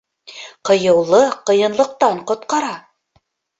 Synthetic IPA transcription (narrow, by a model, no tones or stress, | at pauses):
qɤ̆jɤ̆wlˠɤqɤ̆jɤ̆nlˠɤ̆q̚t̪ɑɴqŏt̪̚qɑɾɑ